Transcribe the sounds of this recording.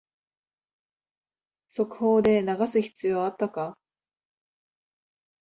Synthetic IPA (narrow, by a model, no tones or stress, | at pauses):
so̞kɯ̟̥ho̞ːd̪e̞naɡasɨçi̥t͡sɨjo̞ːat̪ːaka